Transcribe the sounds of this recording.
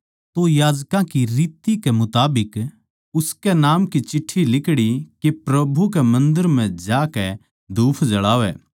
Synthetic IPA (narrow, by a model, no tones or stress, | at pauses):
t̪ojaːd͡ʒkãkiɾiːt̪ikɛmʊt̪aːbɪk | ʊskɛnaːmkit͡ʃɪʈʰːilɪkɽikepɾɐbʱukɛmɐ̃nd̪əɾm̤ɛ̃d͡ʒaːkɛ | d̪uːpʰd͡ʒɐɭaːʋɛ̰ː